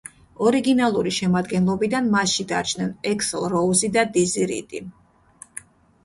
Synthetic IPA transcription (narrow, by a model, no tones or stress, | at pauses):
ɔɾiɡinalˠuɾiʃɛmad̪ɡɛnlˠɔbid̪anmasʃid̪a̰ɾt͡ʃʰnɛnɛkslˠɾɔuzid̪ad̪iziɾḭt̪ʼi